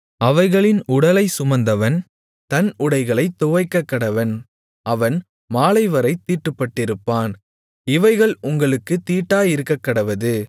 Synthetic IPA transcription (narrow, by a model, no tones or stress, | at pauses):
ɐʋɐɪɣɐɭɪnʊɽɐlɐɪsʊmɐnd̪ɐʋɐn | t̪ɐnʊɽɐɪɣɐɭɐɪt̪ːʊʋɐɪkːɐkːɐɽɐʋɐn | ʔɐʋɐn | maːlɐɪʋɐɾɐɪt̪ːiːʈːɯpːɐʈːɪɾɯpːaːn | ɪʋɐɪɣɐɭʊŋɡɐɭɯkːɯt̪iːʈːaːjɪɾɯkːɐkːɐɽɐʋɐðɯ